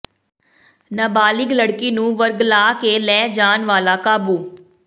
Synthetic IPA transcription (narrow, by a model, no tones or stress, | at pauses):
naːbaːlɪkləɽkiːnũːʋəɾɡlaːkeːlɛːd͡ʒaːnʋaːlaːkaːbuː